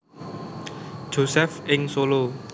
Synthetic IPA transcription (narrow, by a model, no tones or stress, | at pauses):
d͡ʒ̥osɛfɪŋsolo